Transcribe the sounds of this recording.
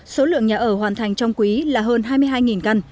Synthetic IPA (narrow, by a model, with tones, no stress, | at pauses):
so˨˦lɨ̰˧˨əŋɲaː˨˩ʔəː˧˩ɦwaː˨˩nt̪ʰa˨˩jŋ̟t͡ɕɔ˧wŋ͡mkwi˨˦laː˨˩ɦəː˧nɦaː˧jmɨ˧jɦaː˧jŋi˨˩nka˧n